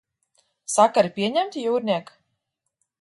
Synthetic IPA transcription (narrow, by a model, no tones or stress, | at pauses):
sakaɾipʲiɛɲɛmt̪ʲjuːɾnʲiɛk